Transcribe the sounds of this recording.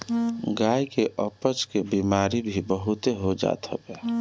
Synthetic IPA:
ɡajkeʔəpət͡ʃkebimaɾibʱibəɦut̪eɦod͡ʒa̰t̪ɦə̰bɛ

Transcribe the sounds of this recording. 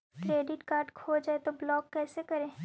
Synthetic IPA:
kɾeːɖɪʈkaːɾɖkʰoːd͡ʒaːet̪oblɔːkːɛːsekɐɾẽː

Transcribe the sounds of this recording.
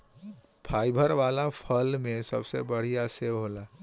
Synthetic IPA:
pʰaːjbʱəɾʋaːlapʰəlmẽsəbsḛbəɽ̤ijaseʋɦolaː

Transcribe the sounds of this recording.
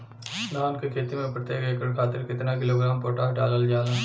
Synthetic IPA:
naːnkɯkeːt̪ːimɐpɾɐt̪ːeːɣɐjɐkːɐɭkaːt̪ːɪɾkɪt̪ːɐnaːkɪloːɡɪɾaːmpoːʈːaːɐʈaːlɐld͡ʒaːlɐ

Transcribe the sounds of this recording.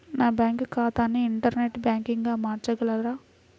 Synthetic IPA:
naːbaːŋkɯkaːt̪aːneɪɳʈɐɾneʈːbaːŋkɪŋɡaːmaːʈɾɐkɐɭaɾaː

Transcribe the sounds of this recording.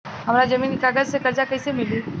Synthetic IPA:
ɦɐmɾad͡ʒɐmiːnkaɡəd͡ʒsekɐɾd͡ʒakɐisemɪliː

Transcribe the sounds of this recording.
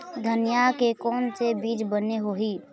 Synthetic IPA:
d̪ʱənjakekɔːnsebiːd͡ʒbəneɦoɦi

